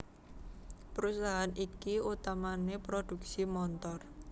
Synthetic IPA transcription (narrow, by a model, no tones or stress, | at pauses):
pəɾusaɦanikiut̪amanepɾod̥ṳk̚simɔnt̪ɔr